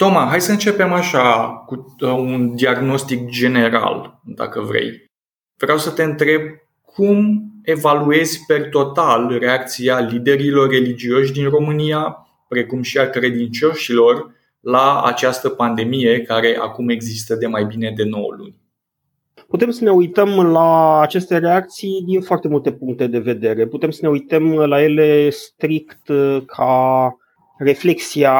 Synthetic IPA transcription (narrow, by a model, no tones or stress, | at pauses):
t̪o̞maɦajsəɨnt͡ʃe̞pe̞maʃakuund̪iaɡno̞st̪ikd͡ʒe̞ne̞ɾa̰ld̪a̰kəvɾe̞̰j | v̥ɾeawsət̪e̞ɨnt̪ɾe̞b̚ | kʰume̞value̞zʲpe̞rt̪o̞t̪alɾe̞ak̚t̪sialid̪e̞ɾilo̞rːe̞lid͡ʒio̞ʃd̪inro̞mɨnija | pɾe̞kumʃiakɾe̞d̪int͡ʃo̞ʃilo̞r | laa̰t͡ʃast̪əpand̪e̞mije̞kaɾe̞ʔa̰kume̞ɡzist̪əd̪e̞majbine̞d̪e̞no̞̰w̰lṵnʲ | put̪e̞msəne̞ujt̪əmlaːt͡ʃe̞st̪e̞ɾe̞ak̚t̪sijd̪infoart̪e̞mult̪e̞puŋk̚t̪e̞d̪e̞ve̞d̪e̞ɾe̞put̪e̞msəne̞ujt̪əmlaje̞le̞st̪ɾikt̪kʰa | re̞fle̞ksia